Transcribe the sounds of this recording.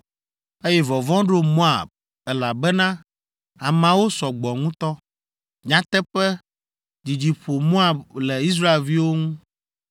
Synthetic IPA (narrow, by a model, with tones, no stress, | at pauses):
e˦jɛ˦vɔ˨vɔ̃˦ɖo˦mõ˦a̰˨b̚ | ɛ˦la˨bɛ˦nã˦ | a˨mã˨wo˦sɔ˨ɡ͡bɔ˨ŋũ˦t̪ɔ˦ | ɲã˦t̪ɛ˦ɸɛ˦ | d͡ʒi˨d͡ʑi˨ɸo˨mõ˦a˨blɛ˨i˦s̬ɾa˦e˨lvi˦wo˦ŋũ˦